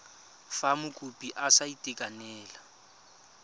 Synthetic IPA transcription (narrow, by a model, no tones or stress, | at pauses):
famʊkʼupʼiʔasaitʼɪkʼanɛːla